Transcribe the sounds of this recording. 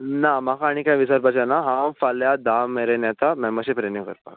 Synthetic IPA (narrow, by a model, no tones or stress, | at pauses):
namakʰaːɽ̃ikãjʋisaɾbat͡ɕanaɦãfaljad̪ameɾenjat̪amɛməɕepɾenikəɾpa̰k